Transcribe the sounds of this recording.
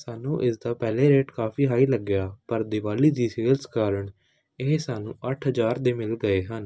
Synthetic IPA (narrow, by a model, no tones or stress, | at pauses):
saːnũːʔɪsd̪aːpɛːleːɾeːʈkaːfiːɦaːiːləɡɪjaːpəɾd̪ɪʋaːliːd̪iːsiːəlskaːɾəɳ | ɪɦsaːnṵ̃ːʔəʈʰɦəd͡ʒaːɾd̪eːmɪlɡəeːɦən